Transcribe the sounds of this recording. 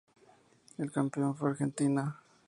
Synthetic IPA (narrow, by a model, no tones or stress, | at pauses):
elkampeonfweaɾxent̪ina